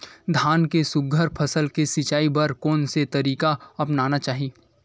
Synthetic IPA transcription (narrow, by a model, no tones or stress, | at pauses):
d̪ʱaːnkesʊɡʱəɾpʰɐsəlkesɪt͡ʃaːibɐɾkɔːnset̪ɐɾiːkaɐpnaːnat͡ʃaːɦi